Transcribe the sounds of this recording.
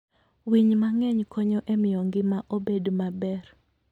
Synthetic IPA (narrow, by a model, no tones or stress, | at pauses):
wiɲmaŋɛɲkʰɔɲɔʔemɪjoŋɡɪmaʔobedomabɛr